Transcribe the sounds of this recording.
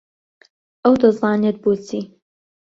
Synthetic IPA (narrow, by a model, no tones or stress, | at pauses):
ʔɐwd̪ɐzˤɑːnet̪̚buːt͡sʰiː